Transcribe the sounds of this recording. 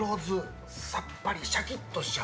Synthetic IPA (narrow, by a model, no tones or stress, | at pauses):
o̞ːzɨ | sapːaɾʲiɕakʲit̪ːo̞ɕa